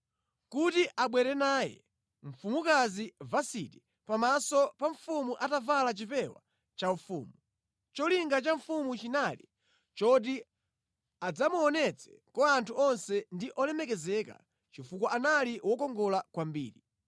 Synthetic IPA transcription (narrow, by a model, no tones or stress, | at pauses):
kutiʔaɓwɛɾɛnaːjɛ̰ | ɱ̩fumukazivasḭti | pamasɔpaɱfumuʔatavalat͡ʃipɛwa̰ | t͡ʃaufuːmu | t͡ʃɔliŋɡat͡ʃaɱfumut͡ʃinalḭ | t͡ʃɔt̬i | ad͡zamuɔnɛt͡sʰɛ̥kɔantʰuɔnsɛndiʔɔlɛmɛkɛzɛka̰ | t͡ʃifukɔʔanaliwɔkɔŋɡɔlakwambḭːɾi